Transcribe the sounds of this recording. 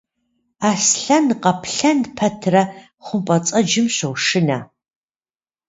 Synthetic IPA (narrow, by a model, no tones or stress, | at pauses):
aːsɬɐnqɐpʰɬɐnpʰɐtʰrɐ | χʷʊmpʼɐt͡sʼɐd͡ʒɪmɕʷɐwʂɨnɐ